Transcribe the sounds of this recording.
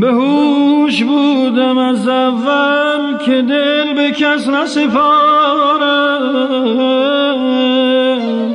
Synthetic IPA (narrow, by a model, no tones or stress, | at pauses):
beɦuʃbuːd̪æmæzævːælkʲʰed̪elbekʰæsnæsepɔːɾa